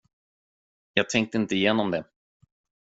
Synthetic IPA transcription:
jɑːɡ̚t̪ʰɛŋk̚t̪əɪnt̪əɪjeːnɔmd̪ɛ

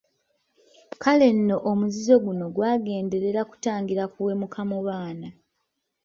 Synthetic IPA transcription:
kale̞nːo̞ʔomuzizo̞ɡuno̞ɡwaːɡe̞ːnde̞ɾe̞ɾaku̥taːŋɡiɾakuwe̞mukʰamoβaːna

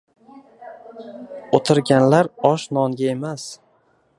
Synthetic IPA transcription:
ot̪ʰɪɾɡʲanlaɾɒʃnɒŋɡʲaemas

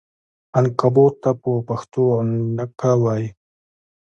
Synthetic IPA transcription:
ankabot̪ːapopaxt̪onnakawaj

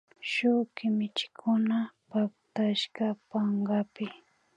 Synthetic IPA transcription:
ʃʊkɪmɪt͡ʃɪ̥kʰʊnapap̚t̪aʃɢɑpaɴɢɑpɪ

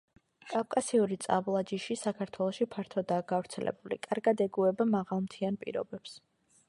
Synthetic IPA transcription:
kʼafkʼasiuɾit̪sʼa̰blˠad͡ʒiʃisakʰaɾt̪ʰwɛlˠɔʃipʰaɾt̪ʰɔd̪aːɡ̥avɾt̪sʰɛlʔɛ̰bulḭkʼaɾɡad̪ɛɡuɛbamaʁalˠmt̪ʰianpʼḭɾɔ̰bɛps

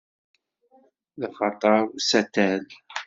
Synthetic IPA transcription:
ðχɑt̪ˤɑɾˤsæt̪ːæl

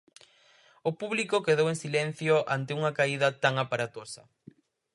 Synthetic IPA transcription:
ʊpuβlikʊkeðowẽŋsilɛn̟θjoʔa̰nt̪euŋɐkaiðɐt̪aŋapaɾat̪osɐ̰

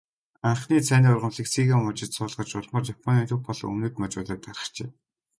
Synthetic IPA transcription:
aɴχniːt͡sʰæːniːʊrʁə̆mɮiːksiɣamʊt͡ɕɪ̆t̪sʊːɮʁə̆t͡ɕʊɮmə̆rt͡ɕjapʰɔniːnt̪ʰɵxpɔɮɞ̰ŋɵ̰noːt̪mat͡ɕʊɮaːt̪arə̥̆χt͡ɕeː

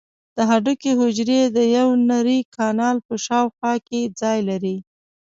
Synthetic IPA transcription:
d̪̥əɦaɖukeɦʊd͡ʒɾed̪əjawnaɾikʰɑnɑlpəʃɑwxwɑked͡zɑjlaɾi

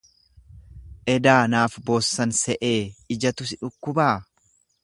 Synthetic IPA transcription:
ʔɛd̪aːnaːfbo̞ːsːɐnsɛʔe̞ːɪd͡ʒɐt̪ʊsɪᶑʊkːʊbaː

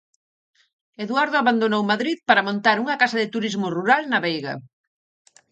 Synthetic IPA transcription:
eðwaɾðoaβand̪onowmaðɾiðpaɾɐmõnt̪aɾuŋɐkasɐðɪt̪uɾizmʊruɾalnɐβejɣɐ̰

